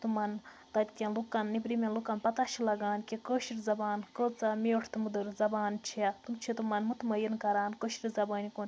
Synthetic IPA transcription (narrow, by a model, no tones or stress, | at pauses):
t̪umɐn | t̪ɐt̪ʲt̪ʲɐnlukːɐnːibɾimenlukɐnpɐt̪at͡ʃʰilɐɡaːnkʲikəːʃiɾʲzɐbaːnkəːt͡samiʈʰt̪umud̪ɐɾzɐbaːnt͡ʃʰiat̪umt͡ʃʰit̪umɐnmut̪mɐjinkɐɾaːnkəʃiɾizɐbɐːnʲikuːnʲ